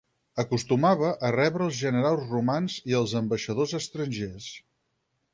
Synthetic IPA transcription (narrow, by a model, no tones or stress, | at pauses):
əkust̪umaβəʔərɛβɾəːlˠzʒənəɾalˠzrumanziəlˠzəmbəʃəðozəst̪ɾənʲʒes